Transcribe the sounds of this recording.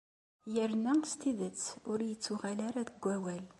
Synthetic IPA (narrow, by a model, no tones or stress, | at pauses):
jəɾnæst̪iðət͡sːʊɾjət͡sːuʁalaɾaðəɡʷːæwæl